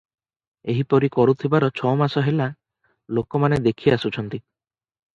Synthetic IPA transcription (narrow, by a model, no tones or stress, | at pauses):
eɦipɔɾikɔɾut̪ʰibaɾɔt͡ʃʰɔmasɔɦela | lokɔmaned̪ekʰiasut͡ʃʰɔnt̪i